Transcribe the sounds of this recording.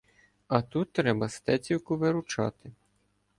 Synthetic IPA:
ɐt̪ut̪ːɾɛbɐst̪ɛt͡sʲiwkʊʋɪɾʊt͡ʃɑ̰t̪ɪ

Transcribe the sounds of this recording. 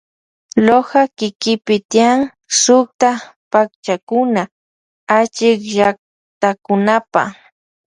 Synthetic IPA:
lohakɪkɪpɪt̪iaŋ | sʊk̚t̪apak̚t͡ʃakʊna | at͡ʃɪkʒak̚ | t̪akʊnapa̰

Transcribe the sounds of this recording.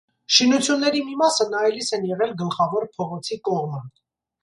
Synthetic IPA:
ʃinut͡sʰjunːɛɾimimɑsənɑjlisɛnjɛʁɛlɡəlχɑvɔɾpʰɔʁɔt͡sʰikɔʁmə

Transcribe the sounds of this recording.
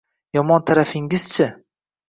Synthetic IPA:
jɒmɒnt̪ʰaɾafɪŋɪz̥t͡ʃʰɪ

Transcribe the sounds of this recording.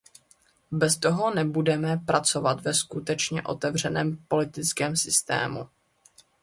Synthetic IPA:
bɛst̪o̞ɦo̞nɛbudɛmɛpɾat͡so̞vat̪vɛskut̪ɛt͡ʃɲɛʔo̞̰t̪ɛvr̝ɛnɛːmpo̞lɪt̪ɪt͡skɛːmsɪst̪ɛ̰ːmṵ

